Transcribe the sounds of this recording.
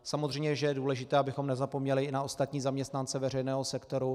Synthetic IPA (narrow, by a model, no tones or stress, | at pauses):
samozr̝ɛjmɲɛʒɛjɛduːlɛʒɪt̪ɛːabɪxo̞mnɛzapomɲɛlɪɪnao̞st̪at̪ɲiːzamɲɛst̪nant͡sɛvɛrɛjnɛːɦo̞sɛkt̪o̞ɾu